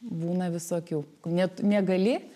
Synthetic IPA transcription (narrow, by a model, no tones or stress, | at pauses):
buːnɐʋʲɪsoːkʲuːknʲɛt̪nʲɛɡɐlʲɪ